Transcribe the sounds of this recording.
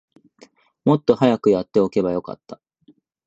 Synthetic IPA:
mo̞t̪ːo̞hajakɯ̟jat̪ːe̞o̞ke̞bajo̞ka̰t̪ːa

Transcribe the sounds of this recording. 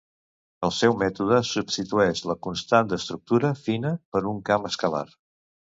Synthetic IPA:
əlˠsɛwmɛt̪uðəsubst̪it̪uɛʃləkunst̪and̪əst̪ɾuk̚t̪uɾəfinəpəɾuŋkaməskəla̰r

